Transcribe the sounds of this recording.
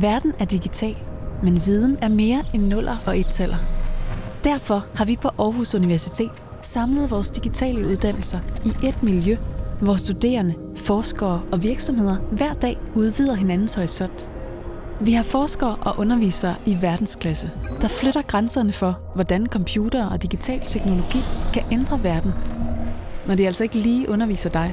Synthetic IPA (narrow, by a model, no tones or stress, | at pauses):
ʋæɐd̥n̩æɐd̥iɡ̥it͡sʰɛ̰ːlmenʋið̞ˠn̩æɐme̝ːɐenːɔ̽l̰ʔɐʔɒ̽ʔe̝d̥sʰel̰ʔɐ | d̥æɐfɒ̽hɑ̈ʋipʰɒ̽ʔɒːɦusuniʋæɐsit͡sʰe̝̰ːd̥ | sɑ̈mləð̞̩ˠʋɒːsd̥iɡ̥it͡sʰɛ̰ːləuð̞ˠd̥æn̰l̩sɐiʔe̝d̥miljøʋɒsd̥ud̥e̝̰ːɐnə | fɒːsɡ̥ɐːʔɒ̽ʋiɐɡ̥sɒ̽mhe̝ð̞̰ˠɐʋæɐ̰d̥ɛ̰ːuð̞ˠʋiðˠɐɦe̝nænn̩shɒ̽ɪsɒ̽n̰d̥ | ʋihɑ̈fɒːsɡ̥ɐːʔɒ̽ʔɔ̽nɐʋḭːsɐːʔiʋæɐd̥n̩skʰlæsəd̥ɑ̈fløɾ̥ɐɡ̥ʁansɐnəfɒ̽ | ʋɒd̥ænkʰɒ̽mpʰjuːɾ̥ɐːɒ̽d̥iɡ̥it͡sʰɛ̰ːlt͡sʰeɡ̥no̝lo̝ɡ̥ḭːkʰæʔend̥ʁɐʋæɐd̥n̩ | nɒd̥iæl̰sɒe̝ɡ̥əliːʔɔ̽nɐʋḭːsɐd̥ɑ̈ɪ